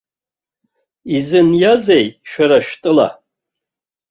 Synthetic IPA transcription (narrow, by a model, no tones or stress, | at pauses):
izɨnjazejʃᶣaɾaʃᶣtʼɨla̰